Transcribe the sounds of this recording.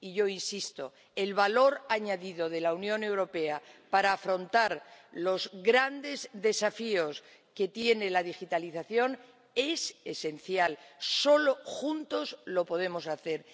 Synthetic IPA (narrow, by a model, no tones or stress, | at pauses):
iʝo̞insist̪o̞̰ | e̞lβalo̞ɾaɲaðiðo̞ðe̞launjõ̞ne̞wɾo̞pe̞apaɾaːfɾo̞nt̪aɾlo̞zɣɾand̪e̞zðe̞safio̞s | ke̞t̪je̞ne̞laðixit̪aliθaθjo̞n | e̞se̞se̞nθjalso̞loxunt̪o̞zlo̞po̞ð̞e̞mo̞saθe̞ɾ